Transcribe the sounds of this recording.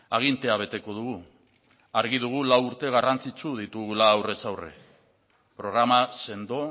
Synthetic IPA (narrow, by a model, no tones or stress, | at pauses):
aɣ̞int̪e̞aβ̞e̞t̪e̞ko̞ð̞uɣu | aɾɣið̞uɣ̞ulawuɾt̪e̞ɣ̞arant͡sit͡ʃuð̞it̪uɣulaːwre̞sawrḛ | pɾo̞ɣɾamase̞nd̪o̞